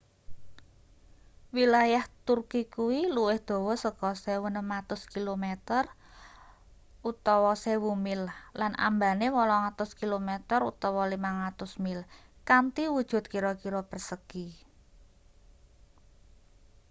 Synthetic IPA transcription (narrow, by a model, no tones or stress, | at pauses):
wilajaht̪urkikuwiluwɪhd̪̥o̤wɔsəɡ̥ɔsɛwənəmat̪ʊskilomet̪ər | ut̪ɔwɔsewumɪllanʔa̰mbanewɔlɔŋat̪ʊskilomɛt̪ərṵt̪ɔwɔlimaŋat̪ʊsmɪlkant̪iwud̥ʒ̥ʊ̤t̪̚kiɾɔkiɾɔpərsəki